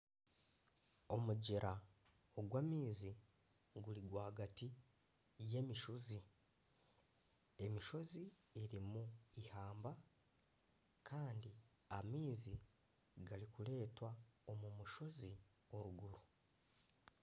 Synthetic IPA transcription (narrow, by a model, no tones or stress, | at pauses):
o̞muɟeɾa | oɡwaːmiːzi | ɡuliɡwaːhaɡati | je̞miʃozi | e̞miʃo̞zi | eɾimuihaːmba | kʰaːndi | amiːzi | ɡalikule̞ːtwaomumuʃo̞zi | o̞ɾuɡuɾu